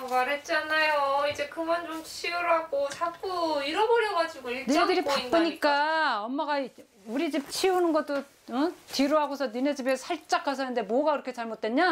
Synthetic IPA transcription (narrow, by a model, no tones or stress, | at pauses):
ʌɡaɾet̚t͡ɕ͈anːajoid͡ʑe̞kɯmʌnd͡ʑomt͡ɕʰiuɾɦaɡot͡ɕʰak͈uiɾʌboɾjʌɡad͡ʑiɡoiɭninedɯɾipak͈ɯɲik͈aʌmːaɡa | uɾid͡ʑip̚t͡ɕʰiunɯnɡʌt͈o | tiɾoɦaɡosʰʌnined͡ʑibe̞sʰaɭt͡ɕ͈akʰas̬ʰʌnɯnde̞mwʌɡakɯɾʌkʰet͡ɕaɭmot̚t͈weɲa